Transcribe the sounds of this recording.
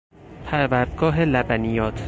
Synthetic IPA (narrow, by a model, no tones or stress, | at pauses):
pʰæɾvæɾd̪̚ɡɒːɦelæbænijɒːt̪ʰ